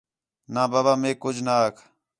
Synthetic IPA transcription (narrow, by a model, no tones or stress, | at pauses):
naːbaːbaːmẽːkʊd͡ʒnakʰ